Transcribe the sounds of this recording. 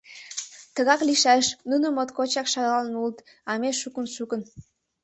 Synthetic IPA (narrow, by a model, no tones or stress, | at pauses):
t̪əɣɑkliʃæʃnunəmot̪kot͡ɕɑkʃɑɣɑlnult̪ | ɑmeʃukənʃukə̆n